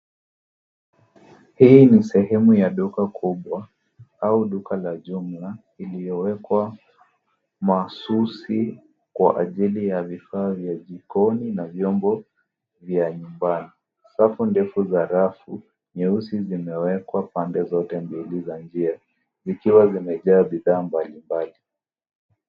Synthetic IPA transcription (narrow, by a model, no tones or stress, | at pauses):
hiːnisɛhɛmujaɗukakʰuɓwa | auɗukalaʄumla | ilijɔwɛkwa | masusi | kwa̰ʔaʄilijavifaːvjaʄikɔninavjɔmbɔ | vjaɲumbani | safundɛfuzaɾafu | ɲɛusizimɛwɛkwapandɛzɔtɛmbilizand͡ʒia | zikiwazimɛʄaːɓiðaːmbalimbali